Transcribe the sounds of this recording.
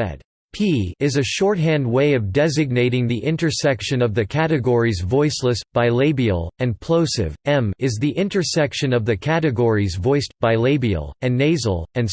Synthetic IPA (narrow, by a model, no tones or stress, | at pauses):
ɛ̰d̥ | pʰiɪzɨʃɔɹt̚ɦæ̃nd̚weɪʌvdɛzɨɡ̚neɪɾɪ̃ŋðiʔɪ̃ntə˞sɛkʃɨ̃nʌvðɨkʰæɾɨɡɔɹizvɔɪsləsb̥aɪleɪbḭl̩ˠɨ̃npʰl̥oʊsɪ̰vɛ̃mɪzðiʔɪ̃ntə˞sɛkʃɨ̃nʌvðɨkʰæɾɨɡɔɹizvɔɪsb̥aɪleɪbḭl̩ˠɨ̃nːeɪzl̩ˠɨ̃n